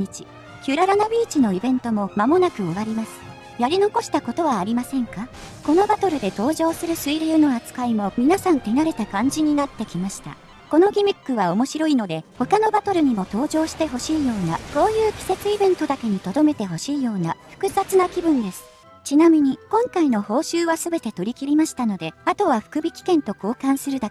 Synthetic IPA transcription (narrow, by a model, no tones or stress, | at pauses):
it͡ɕi̥ | kʲɯɾaɾanabʲiːt͡ɕino̞ibẽ̞nt̪o̞mo̞mamo̞nakɯ̟o̞βaɾʲimasɨ̥ | jaɾʲino̞ko̞ɕi̥t̪ako̞t̪o̞β̞aːɾʲimasẽ̞ŋka | ko̞no̞bat̪o̞ɾɯ̟d̪e̞t̪o̞ːʑo̞ːsɨɾɯ̟sɨiɾʲɯːno̞at͡sɨ̥kaimo̞mʲinasãnt̪e̞naɾe̞t̪akãɲ̟d͡ʑiɲ̟inat̪ːe̞kʲimaɕi̥t̪a̰ | ko̞no̞ɡʲimʲikːɯ̟βao̞mo̞ɕiɾo̞ino̞d̪e̞ho̞kano̞bat̪o̞ɾɯ̟ɲ̟imo̞t̪o̞ːʑo̞ːɕi̥t̪e̞ɦo̞ɕiːjo̞ːnako̞ːjɯ̟ːkʲi̥se̞t͡sɨibẽ̞nt̪o̞d̪ake̞ɲ̟it̪o̞d̪o̞me̞t̪e̞ɦo̞ɕiːjo̞ːnaɸɯ̥kɯ̟zat͡sɨnakʲibɯ̟̃nd̪e̞sɨ̥ | t͡ɕinamʲiɲ̟ikõ̞ŋkaino̞ho̞ːɕɨːβasɨbe̞t̪e̞t̪o̞ɾʲikʲiɾʲimaɕi̥t̪ano̞d̪e̞at̪o̞β̞aɸɯ̥kɯ̟bʲikʲi̥kẽ̞nt̪o̞ko̞ːkãɰ̃sɨɾɯ̟d̪ake